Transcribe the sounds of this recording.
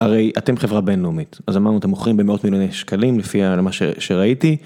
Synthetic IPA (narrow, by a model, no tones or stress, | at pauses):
aʁe̞jatemχevʁabe̞nleumit̪azamaʁnuat̪emoχʁimbemeo̞tmiljo̞nejʃkalimlefialmaʃḛʃeʁaiti